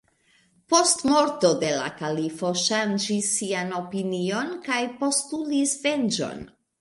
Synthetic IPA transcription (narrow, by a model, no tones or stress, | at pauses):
po̞stmo̞ɾto̞de̞la̰kalifo̞ʃand͡ʒisːiano̞pinio̞nkajpo̞stulisve̞nd͡ʒo̞̰n